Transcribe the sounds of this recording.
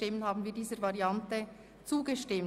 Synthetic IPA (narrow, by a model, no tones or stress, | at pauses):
tɪmənhaːbn̩viːɐdiːzəɾvaʁiantə | t͡suːɡəʃtɪm